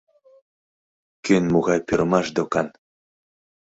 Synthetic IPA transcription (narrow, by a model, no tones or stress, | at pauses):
kʲynmuɣɑjpʲyɾmɑʃd̪okɑn